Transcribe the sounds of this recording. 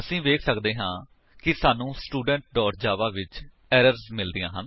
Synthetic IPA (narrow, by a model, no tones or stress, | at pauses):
əsĩːʋeːkʰsəkd̪eːɦãː | kɪsaːnũːsʈuːɖəɳʈ̚ɖɔːʈ̚d͡ʒaːʋaːʋɪt͡ʃ | ɛːɾəɾzmɪld̪ijãːɦən